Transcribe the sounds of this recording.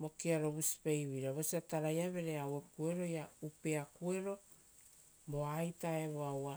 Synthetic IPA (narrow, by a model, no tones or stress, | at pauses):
mo̞kiaɾo̞βusi̥pejβiɾaβosiataɾajaβe̞ɾe̞awe̞kue̞ɾo̞jaupe̞akue̞ɾo̞ | mo̞ajtae̞βoawa